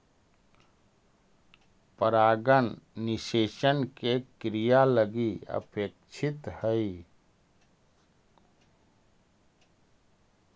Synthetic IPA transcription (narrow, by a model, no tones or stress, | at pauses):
pəɾaːɡənːɪseːʃənkekɾijaləɡiə̰pek̚t͡ʃʰɪt̪həi